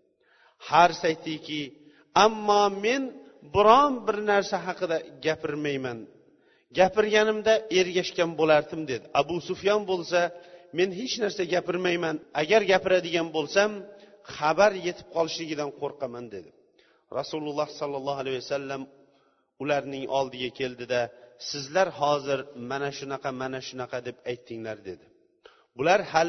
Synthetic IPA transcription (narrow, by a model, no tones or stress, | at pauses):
haɾsajt̪ʰɪkʲʰɪ | amːɒme̞n | bɪɾɒnbɪɾnaɾsaɦɑqɨd̪aɡʲapʰɪɾmajman | ɡʲapɪɾɡʲanɪmd̪ae̞ɾɡʲaʃkʲanbolaɾd̪ɪmd̪e̞d̪ɪʔabʊsʊfjɒnbolˠsame̞nɦet͡ʃnaɾsaɡʲapɪɾmajmanaɡʲaɾɡʲapɪɾad̪ɪɡʲanbolˠsam | χabaɾje̞t̪ʰɪ̥p̚qʰɒlˠɪʃlɪɡʲɪd̪anqʰoɾqʰɑmand̪e̞d̪ɪ | ɾɑsʊlˠʊlˠːɑhsɒlˠːɑlˠːɑhalajasalːam | ʊlaɾnɪŋʔɒ̰lˠd̪ɪɡʲakʲʰe̞ld̪ɪd̪asɪzlaɾhɒzɪɾmanaʃʊnɑqʰɑmanaʃʊnɑqʰɑd̪e̞pajt̪ʰːɪŋlaɾd̪e̞d̪ɪ | bʊlaɾhal